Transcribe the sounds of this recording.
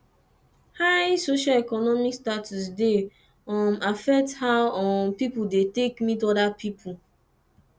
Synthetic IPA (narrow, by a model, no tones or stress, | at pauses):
haɪsoʃalɛkɔnɔmikstatʰus̬de | ɔ̃mafɛk̚thaɔ̃mpipudetekmitɔdapʰipʰu